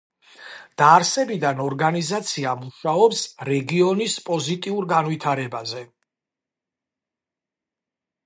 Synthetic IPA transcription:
d̪̥aːɾsɛbid̪anɔɾɡanizat̪sʰiamuʃaɔpsɾɛɡiɔnispʼɔzit̪ʼiuɾɡanvit̪ʰaɾɛbazɛ

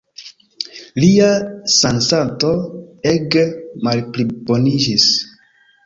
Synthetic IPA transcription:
liasansato̞eɡmalplibo̞nid͡ʒis

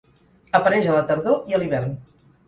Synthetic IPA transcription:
əpəɾɛʒələt̪əɾðoiəliβ̞ɛrn

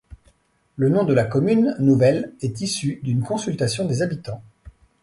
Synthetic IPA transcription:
lənɔ̃d̪əlakɔmynːuvɛlɛt̪isyd̪ynkɔ̃sylt̪asjɔ̃d̪ezabit̪ɑ̃

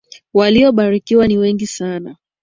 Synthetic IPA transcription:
waliɔɓaɾikiwaniwɛŋɡisana

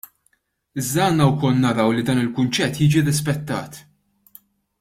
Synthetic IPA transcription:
ɪzd̪ɐɐːnːɐwkɔlnɐɾɐwlid̪ɐːnɪlkʊnt͡ʃɛt̪ːjiːd͡ʒiɾɪspɛt̪ːɐ̰ːt̪

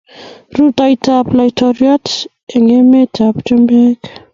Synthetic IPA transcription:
ɾutajtʰaplajtʰoɾiat | eŋemetʰapt͡ʃombek

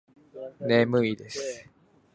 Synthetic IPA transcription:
nemɯ̟id̪e̞sɨ̥

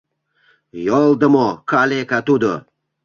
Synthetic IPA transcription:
jɒlˠd̪əmɔkʰalekat̪ud̪ə̰

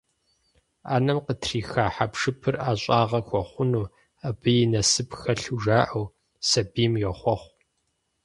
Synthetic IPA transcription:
a̰ːnɐmqətʰriːxaːħapʂɨpʰɨrʔaːɕʷʼaːʁɐxʷɔχʷʊnuː | abɨjɪnɐsɨpxɐɬuʒaːʔɐw | sɐbiːmjɛχʷɔχʷ

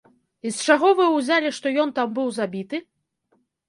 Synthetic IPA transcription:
ist͡ʂaɣɔvɨuwzʲalʲiʂt̪ɔjɔnt̪ambɨwzabʲit̪ɨ

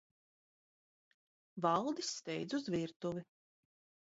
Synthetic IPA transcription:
vɑlˠd̪isːt̪ɛjd̪zuzviɾt̪uvi

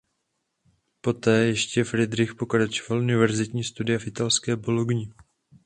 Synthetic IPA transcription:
po̞t̪ɛːjɛʃcɛfɾɪd̪ɾɪxpo̞kɾat͡ʃovalʔunɪvɛɾzɪt̪ɲiːst̪udɪjafʔɪt̪alskɛːboloɡɲɪ

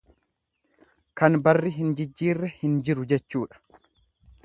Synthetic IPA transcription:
kɐnbɐrːɪɦɪnd͡ʒɪd͡ʒːiːrːɛhɪnd͡ʒɪɾʊd͡ʒɛt͡ʃːuːᶑɐ̥

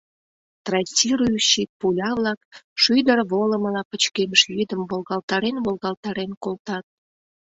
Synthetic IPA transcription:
t̪rɑtʲiɾuyʃit̪̚pulʲɑβlɑkʃyjd̪ərβoləməlɑpət͡ɕkeməʃlyd̪əmβolɣɑlt̪ɑɾenβolɣɑlt̪ɑɾenkolt̪ɑt̪̚

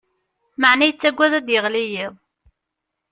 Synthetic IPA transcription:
maʕnæjət͡sːæɡʷːæðæd̪jəʁlijiðˤ

